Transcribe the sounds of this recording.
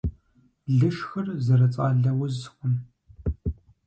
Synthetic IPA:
ɮɨʂxɐrzɐɾɐt͡sʼaːɮɐwʊzχʷʊm

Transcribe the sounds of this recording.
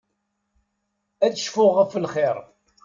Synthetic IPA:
æt͡sːəʃfʊʁəfəlχɪɾˤ

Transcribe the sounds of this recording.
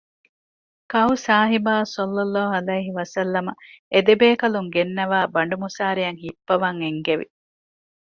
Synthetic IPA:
kɐusaːɦibaːsɐlːɐlːaːɦɐlɐjɦiʋɐsɐlːɐmɐed̪ebeːkɐluŋɡenːɐʋaːbɐɳɖumusaːɾijɐŋhipːɐʋɐŋeŋɡeʋḭ

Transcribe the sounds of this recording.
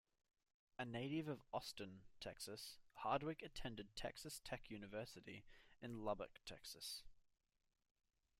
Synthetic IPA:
əneɪɾɪvəvɒstə̃ntʰɛksəshɑːdwɪkətʰɛ̃ndɪd̚tʰɛ̰ksəstʰɛkʰjʉːnɪvɜˑsɪɾḭɪ̃nlʌbə̰ktʰɛksəs

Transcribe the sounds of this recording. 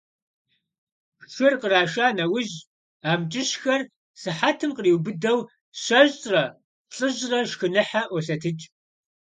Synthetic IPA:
xɨrqəraːʃaːnɐwʊʑ | aːmt͡ʃʼɪɕxɐr | sɨħatʰɨmqəriːwbɨdɐw | ɕɐʑʼrɐ | ɬʼɨʑrɐʃxɨnɨħaʔʷɔɬɐtʰɨt͡ʃʼ

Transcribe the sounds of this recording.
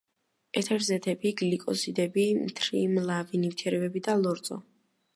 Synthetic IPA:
ɛt̪ʰɛɾzɛt̪ʰɛbiɡlikʼɔsid̪ɛbimt̪ʰɾimlˠavinimt̪ʰɛɾɛbɛbid̪alˠɔɾd̪zʼɔ̰

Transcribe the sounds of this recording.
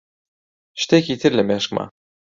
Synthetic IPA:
ʃt̪ækit̪ɘ̆ɾlʲæmæʃkmɑ̰

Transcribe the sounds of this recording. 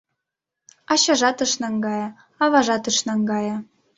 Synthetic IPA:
ɑɕɑʒɑt̪ɤ̆ʃnɑŋɡɑjɑ | ɑβɑʒɑt̪ɤʃnɑŋɡɑjɑ

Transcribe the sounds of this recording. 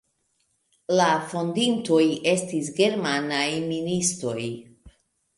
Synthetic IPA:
lafo̞ndinto̞je̞stis̬ɡe̞ɾmanajministɾo̞j

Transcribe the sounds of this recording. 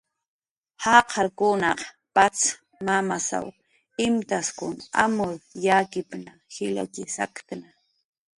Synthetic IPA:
hɑːqʰɑɾkʊnɑq | pat͡s | mamasa̰w | ɪmt̪askʊna̰mʊɾjakɪpnahɪla̰kɪsa̰kt̪ana

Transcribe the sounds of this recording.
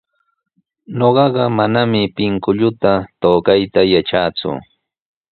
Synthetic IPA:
ɲoɢɑɢɑmanamɪpɪŋkʊʎʊt̪at̪oːkajt̪ajaʈ͡ʂaːt͡sʊ̰

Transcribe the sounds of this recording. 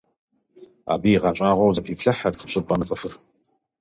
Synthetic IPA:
a̰ːbiːʁɑɕʼaːʁʷɔwzɐpʰiːpɬɐħɐdqʰə̥pɕʼɪpʼɐmɐt͡sʼɐfɨr

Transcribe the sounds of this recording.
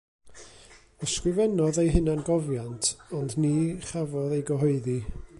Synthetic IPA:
əskrɪvɛnɔðejɦɪnanɡɔvjantʰɔndniːχavɔðejɡɔɦɔɨði

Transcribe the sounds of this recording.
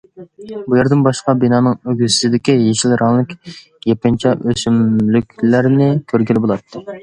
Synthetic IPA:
bujeɾd̪ɪnbɑʃqɑbinɑːnɨŋøɡʲyssɪd̪ɪkʲijeʃilɾɑŋlˠɨkʲ | jepɪnt͡ʃʰɛʔøsymlykʲlæɾnɪkʲʰøɾɡʲilbolˠɑt̪ʰːɨ

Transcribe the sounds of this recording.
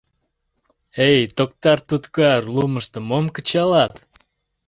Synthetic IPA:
ejt̪ok̚t̪ɑrt̪ut̪kɑrluməʃt̪ə̆momkət͡ɕɑlɑt̪

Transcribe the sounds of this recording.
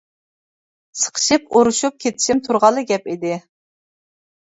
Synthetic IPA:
sə̥qʰə̥ʃɨpoɾuʃup̚kʲʰet̪ʰɪ̥ʃimt̪ʰuɾʁɑlˠɨɡʲɛpid̪ɪ

